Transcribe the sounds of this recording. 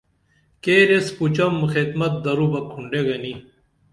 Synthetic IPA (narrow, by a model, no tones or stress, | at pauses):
keɾesput͡ɕɐmxed̪mɐt̪̚d̪ɐɾubɐkʰːuɳɖeɡɐni